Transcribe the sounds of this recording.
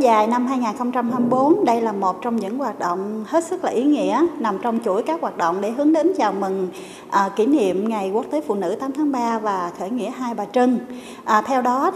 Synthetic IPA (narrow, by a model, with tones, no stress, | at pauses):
zaː˨˩jna˧mɦaː˧jŋaː˨˩nxə˧wŋ͡mt͡ɕa˧mhaː˧mi˧jɓo˨˦nɗə˧jlaː˨˩mo˨˩t̚t͡ɕɔ˧wŋ͡mɲɨ̰˧˥ŋwaː˨˩t̚ɗo̰˧˨wŋ͡mhe˦˥t̚sɨ˦˥k̚laː˨˩ʔi˨˦ŋḭ˧˥əna˨˩mt͡ɕɔ˧wŋ͡mt͡ɕu˧˩əjkaː˦˥k̚waː˨˩t̚ɗo̰˧˨wŋ͡mɗe˧˩ɦɨ˨˦əŋɗe˨˦nt͡ɕaː˨˩wmi˨˩ŋ | ʔəː˨˩ki˧˩nḭ˧˨əmŋa˨˩jku˦˥ək̚t̪e˨˦fṵ˧˨nɨ̰˧˥t̪aː˨˦mt̪ʰaː˨˦ŋɓaː˧vaː˨˩xəː˧˩jŋḭ˧˥əɦaː˧jɓaː˨˩t͡ɕɨ˧ŋ | ʔːt̪ʰɛ˧wɗɔ˨˦